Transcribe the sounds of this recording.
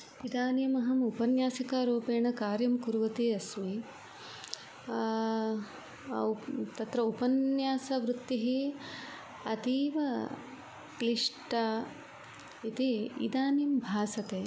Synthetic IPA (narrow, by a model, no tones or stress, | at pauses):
id̪aːnjɐmɐɦɐmupɐnjaːsɐkaːɾoːpeːɳɐkaːɾjɐmkuɾʋɐt̪eːɐsmi | t̪ɐt̪ɾɐupɐnjaːsɐʋɾut̪ːiɦeː | ɐt̪iːʋɐ | kliʂʈɐ | it̪iḭd̪aːnjɐmbʱaːsɐt̪eː